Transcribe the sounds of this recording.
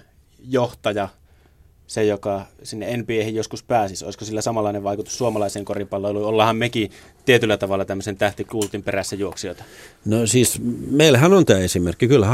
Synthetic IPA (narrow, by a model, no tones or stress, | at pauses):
joht̪ɑjɑ | sejokɑsinːeenpiehijjoskuspæːsiso̰ˑiskosilːæsɑmɑlːˑɑˑineʋʋɑˑikut̪u̥ssuomɑlɑˑiseːŋkoripɑlːeluiolːɑhɑmmeki | t̪iet̪ylːæt̪ɑʋɑlːɑt̪æmːøsent̪æht̪ikult̪imperæsːæjuoksioˑt̪ɑ̥nosiːsmeilhænont̪æːesimerkːikylhæ